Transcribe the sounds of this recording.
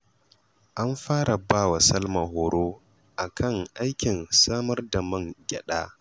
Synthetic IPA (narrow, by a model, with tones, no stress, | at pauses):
ʔa˦mɸaː˦ɾa˨baː˦˨wa˨sɐ˦lma˨ɦoː˨ɽoː˦ | ʔa˨kʰɐ˦˨ŋʔa˦jkʲɪ˨nsaː˦mɐ˦rda˨mɐ˦ŋɡʲɛ̰˨ɗaː˦